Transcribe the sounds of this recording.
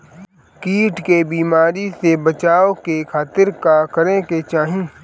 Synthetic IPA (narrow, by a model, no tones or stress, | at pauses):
kiːʈkebiːmaːɾisebɐt͡ʃaːokekʰaːt̪ɪɾkakɐɾẽket͡ʃaːɦĩː